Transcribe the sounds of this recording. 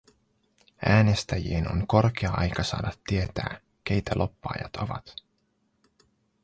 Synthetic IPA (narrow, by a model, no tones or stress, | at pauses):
æːne̞st̪æjḭeno̞̰ŋko̞rk̟eɑɑjkɑsɑ̰ːdɑt̪ːie̞t̪æ̰ː | k̟ejt̪ælʔo̞pːɑ̰ːjɑ̰t̪o̞ʋɑt̪